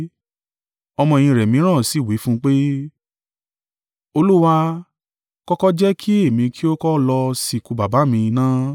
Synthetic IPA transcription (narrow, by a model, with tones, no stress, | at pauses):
ɔ˧mɔ̃˧ẽ˧j̃ĩ˧ɾɛ˨mĩ˨˦ɾ̃ã˦˨si˨˦˨wi˨˦fũ˦k͡pe˦ | o˧lu˦wa˧ | kɔ˦kɔ˦d͡ʒɛ˦kʰi˦e˦˨mĩ˧kʰi˦o˦kɔ˦lɔ˧si˨ku˧ba˨ba˨˦mĩ˧nãː˦